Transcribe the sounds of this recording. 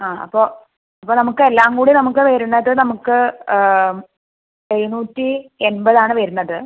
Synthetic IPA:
aːɐ̰pːo̞ː | ɐpːoːnɐmukːɨelːaːŋɡuːɽinɐmuk̬ːɨʋɐɾunːɐðɨnɐmukːɨ | ejunuːtːienbɐðaːɳɨʋɐɾunːɐðɨ

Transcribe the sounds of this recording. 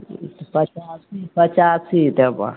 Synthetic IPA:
t̪pɐt͡ʃasipɐt͡ʃaːsit̪eba̰

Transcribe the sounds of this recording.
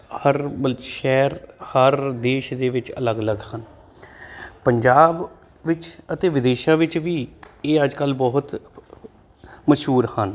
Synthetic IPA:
həɾʃɛːɾhəɾd̪eːʃd̪eːʋɪt͡ʃə̰ləɡələɡhən | pəɲd͡ʒaːb | ʋɪt͡ʃət̪eːʋɪd̪eːʃãːʋɪt͡ʃʋiːeːəd͡ʒkəlbɔːɦʊt̪ | məʃɦuːɾhən

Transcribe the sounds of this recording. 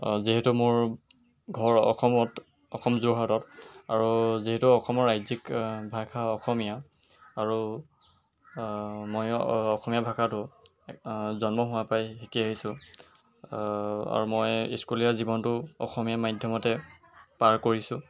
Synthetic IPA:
ziɦetumʊɹ | ɡʱɔɹɔ̰kʰɔmɔt | ɔkʰɔmzuɦatɔta̰ɹuziɦɛtuɔxʰɔmɔɹajzikbʱakʰaɔxɔmijaaɹu | mojɔxɔmijabʱakʰatʊ | zɔnmɔɦʊwapajɦekiaɦisʊ̃ | a̰ɹumɔjiskulijazibɔntʊɔ̰xɔmijamajdʱjɔmɔtɛ | paɹkoɹisʊ̃

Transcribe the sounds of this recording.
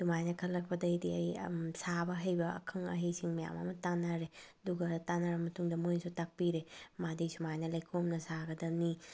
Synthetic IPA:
d̥umajnɐkʰɐlːɐk̚pɐdɐjdiɐjsabɐɦɐjbɐɐ̰kʰɯŋɐ̰ɦejsiŋmɐja̰mɐ̰mɐtanaɾe | duɡɐtanaɾɐmɐtuŋdɐmojnsutak̚piɾemadisumajnɐlɐjkʰomnɐsaɡɐdɐmni

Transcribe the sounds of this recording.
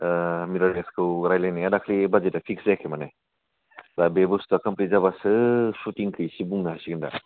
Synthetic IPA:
miɾɔɾeskʰɯwɾajlajnijadakʰlibɐd͡ʒetːapʰikszajkʰemɐne | dabebustukɐmplizabasɯsutiŋkʰɯjsibuŋnaɦasiɡinda̰

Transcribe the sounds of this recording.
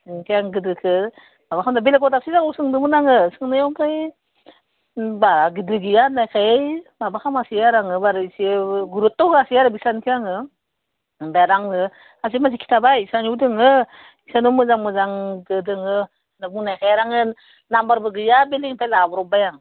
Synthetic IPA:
kʰiaŋɡɯdɯkʰɯ | mabakʰamdabelekɔdasizaŋɔsɯŋdɯmɯnaŋɯsɯŋnajawkʰaj | baɾaɡɯdɯɡɯjanajkʰajjbabakʰamasijaɾaŋɯbaɾɯisiɡuɾutːɔwɡasijaɾɯbisankʰijaŋɯ | baɾaŋɯ | azimaz̬ikʰi̥tʰabajsanuwdɯŋɯ | isanumɯzaŋmɯzaŋdɯdɯŋɯ | nabuŋnajkʰajaɾaŋɯ | nambaɾbɯɡɯjabeliipʰajlabɔɾɔbajaŋ

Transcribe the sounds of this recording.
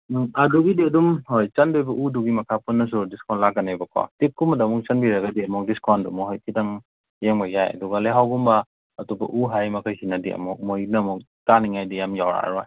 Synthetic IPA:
aduɡidiɐdumhojt͡ʃandojbɐʔuduɡimɐkʰapunːɐs̬udiskɔnlaɡanajbakʰɔ̰tik̚kːumadamɔŋt͡ʃanbiɾaɡadiɐmɔŋdiskʰɔndṵmɔɦɔjkʰidaŋ | jeŋbajajɐ̰duɡaleɦawɡumbaː | tubɐ̰ʔuɦajmɐkʰajhinadiɐ̰mɔk̚mɔjnamɔŋ | taniŋajdijamjawɾa̰ɾaj

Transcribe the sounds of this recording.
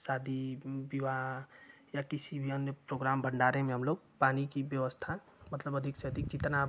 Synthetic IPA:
saːd̪ʱibiʋa | jakisibʱiənepɾoɡɾambʱəɳɖaɾẽmẽɦəmloɡ̚ | paːnikibjəʋəst̪ʰa | mət̪ləbəd̪ʱiksed̪ʱik̚t͡ʃit̪na

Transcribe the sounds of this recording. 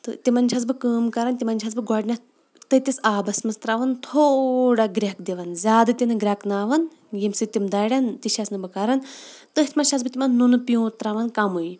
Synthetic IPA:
t̪ɨt̪imɐnʲt͡ʃʰas̬bɨkəːmkɐɾɐnt̪ʲimɐnʲt͡ʃʰas̬bɨɡɔɖʲnʲɐ | t̪ɨt̪ʲisaːbɐsmɐst̪ɾaːʋɐnt̪ʰoːɽaɡɾʲakd̪iʋɐnzʲaːd̪ɨt̪ʲinɨɡɾʲaknaːʋɐn | jimsɨt̪imd̪aːɽʲant̪iʃʰɐsnɨbɨkɐɾɐnt̪ɨɦt̪ʰʲmɐnʃʰas̬bɨt̪ʲimɐnːunɨpijũːt̪ɾaʋɐnkɐmui

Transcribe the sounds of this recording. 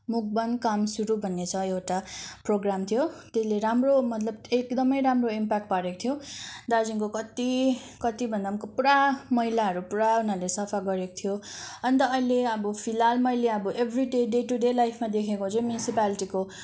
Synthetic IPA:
muk̚bʌnkamsuɾubʱʌnːet͡sʰʌewʈaproɡramt̪ʰijot̪esleɾamromʌt̪lʌbekd̪ʌmʌjɾamroimpak̚ʈ̚paɾeko̥t̪ʰjod̪ad͡zinkokʌt̪i | kʌt̪ibʱʌnd̪amkopuɾamʌɦilaɦʌɾupuɾaunalesʌpʰaɡʌɾeko̥t̪ʰijoʌnit̪ʌːileʌbʌpʰilalmʌileʌbʌʔebʱriɖeɖeʈuɖelajpʰmad̪ekʰekot͡sʌj̃mjunisipaliʈiko

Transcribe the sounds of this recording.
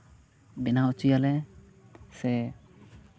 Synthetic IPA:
bɛnaut͡ʃujalɛ | sɛ

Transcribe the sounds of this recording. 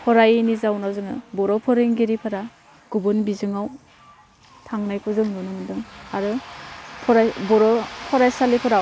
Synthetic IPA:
pʰɔɾajnizawnazɯŋɯ̰bɔɾɔpʰɔɾɯŋɡeɾipʰaɾa | ɡ̥ubɯnbizɯŋaw | tʰaŋnajpʰɯzɯŋnɔnɯmɯndɯŋaɾɯpʰɔɾajbɔɾɔpʰɔɾajsalipʰɯɾaw

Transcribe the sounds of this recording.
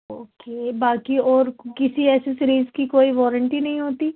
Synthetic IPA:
oːkeːbaːkiɔːɾkɪsiɛːsesɪɾiːzkikoːiʋɔːɾə̃ɳʈinɐɦĩɦoːt̪iː

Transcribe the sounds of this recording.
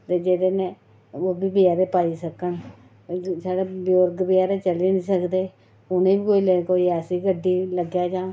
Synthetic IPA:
t̪eːd͡ʒeːd̪eːnẽː | oːbiːbəjaːɾeːpaːiːsəkən | saːɽeːbjoːɾɡbɪjaːɾeːt͡ʃəleːnĩːsəkd̪eː | ʊnẽːbiːkoːiːlekoːiɛːsiːɡəɖiːləɡjaːd͡ʒãː

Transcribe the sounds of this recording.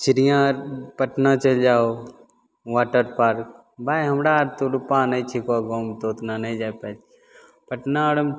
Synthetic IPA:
t͡ʃiɾijãɾpəʈnat͡ʃəld͡ʒaːo | ʋaːʈəɾpaːɾk | baːjɦɐmɽaɾt̪oɾupãːnɐĩt͡ʃʰikaɡõːmt̪oːt̪nanɐĩd͡ʒaːpɛd͡ʒ | pəʈnaɽəm

